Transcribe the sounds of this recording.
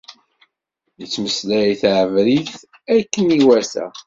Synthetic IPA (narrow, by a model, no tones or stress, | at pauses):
jət͡sːməslæiθʕəvɾiθ | ækːəniwæθæ̰